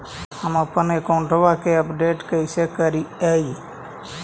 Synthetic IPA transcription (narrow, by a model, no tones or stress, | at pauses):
əməpənekaʊɳʈoʋakeəpɖeːʈkəisekəɾiəi